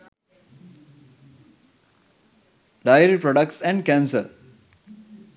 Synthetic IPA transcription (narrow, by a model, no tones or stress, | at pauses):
ɖaɪəɾipɾɔɖək̚ʈsɛ̃ɳɖkæ̃ːnsəɾ